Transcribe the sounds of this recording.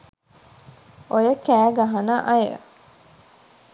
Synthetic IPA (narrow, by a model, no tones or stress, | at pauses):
ojəkæːɡɐɦɐnɐʔɐjḛ